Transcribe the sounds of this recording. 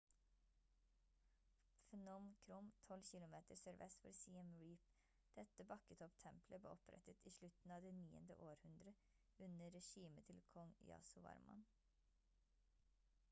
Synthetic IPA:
fɛnɔmkʰɾʊmt̪ʰɔlçɪlʊmeːt̪əɾsœɾʋɛ̰sfɔɾsiːɛmɹiːp | d̪̥ɛt̪əbɑkət̪ʰɔpt̪ʰɛmpʰləblḛːɔpʰɾɛ̰t̪ət̪iːʃlʉt̪n̩ɑːd̪eːniːə̰nd̪ə̰ʔoːɾhʉnd̪ɾə | ʉnəɾɛʃiːmət̪ʰɪlkʰɔŋjɑ̰ːsʊʋɑ̰ɾmʔɑ̰n

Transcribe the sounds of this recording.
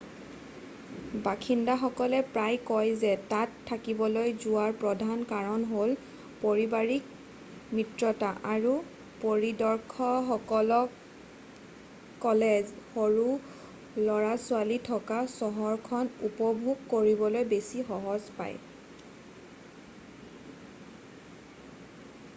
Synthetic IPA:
bakʰindaxɔkɔlɛpɹajkɔjzɛtatʰːakibɔlojzʊwaɹpɹɔdʱankaɹɔnɦol | poɹibaɹik̚ | mɹitɹɔtaʔaɹu | poɹidɔɹkʰɔxɔkɔlɔ | kɔlezxoɹu | lɔɹasʊalitʰɔkasɔɦɔɹkʰɔnupɔbʱuɡːoɹibɔlojbesixɔɦɔzpa̰j

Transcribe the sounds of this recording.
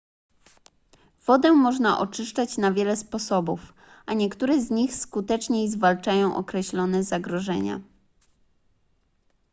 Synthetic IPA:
v̥ɔd̪ɛmɔʐnaʔɔt͡ʂɘʂt͡ʂat͡ɕnavʲjɛlɛspɔsɔbuf | ʔaɲɛkt̪uɾɛzɲixskut̪ɛt͡ʂɲejzvalt͡ʂajɔ̃w̃ʔɔ̰kɾɛɕlɔnɛzaɡɾɔʐɛ̰ɲa̰

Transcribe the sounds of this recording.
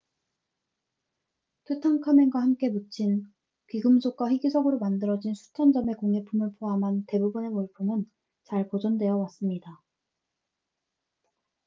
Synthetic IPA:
tʰutʰaŋkʰameŋɡwahamk͈e̞mut͡ɕʰin | kiɡɯmsʰok̚k͈waɸiɡisʰʌɡɯɾomandɯɾʌd͡ʑinsʰu̥t͡ɕʰʌnd͡ʑʌme̞koŋe̞pʰumɯɭpʰoɦamɦante̞bubune̞moɭpʰumɯn | t͡ɕaɭpod͡ʑʌndwe̞jʌwas͈ɯmɲida

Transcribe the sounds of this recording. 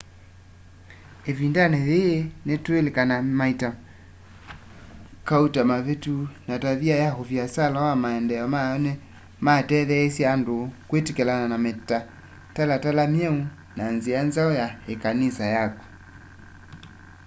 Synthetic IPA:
evindanɛðenɛtuelɛkanamaita | kautamavetunataviajaɦoviasalawamaɛndɛɔmanɛ | matɛðɛːsiandokwetikɛlananamɛta | talatalamjɛu | nanzianzaɔjaɛkanisajakɔ̥

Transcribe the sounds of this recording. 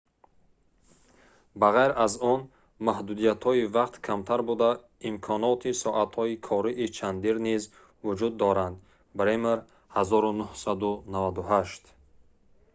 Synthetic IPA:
baʁajɾazɔn | mahd̪ud̪ijat̪hɔivaqt̪kʰamt̪ʰaɾbud̪a | imkʰɔnɔt̪ʰisɔʔat̪hɔikʰɔɾiʔit͡ʃʰand̪iɾniz | vud͡ʒud̪ːɔɾand̪ | bɾemeɾ | hazɔɾunuhsad̪unavad̪uɦaʃt̪

